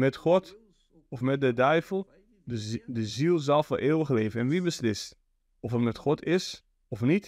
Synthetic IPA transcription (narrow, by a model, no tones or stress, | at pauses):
mɛtχɔt | ɔfmɛt̚dədœɥvəlˠ | dəzilˠzɑlˠfʊɹʔeːwəχleːvənɛnʋibəslɪst | ɔfətmɛtχɔtɪs | ɔfnit